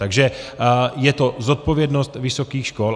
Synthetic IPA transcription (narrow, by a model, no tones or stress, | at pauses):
t̪aɡʒɛ | jɛt̪ozot̪̚povjɛdnost̪vɪsokiːxʃkol